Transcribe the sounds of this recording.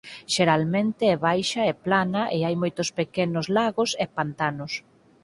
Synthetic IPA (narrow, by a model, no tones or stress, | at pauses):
ʃeɾalmẽnt̪eɛβajʃaɛplanaʔɪajmojt̪ʊspekenʊzlaɣosɛpant̪anʊs